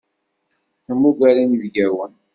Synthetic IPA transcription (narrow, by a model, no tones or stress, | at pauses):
θəmːuɡælinivɡæwən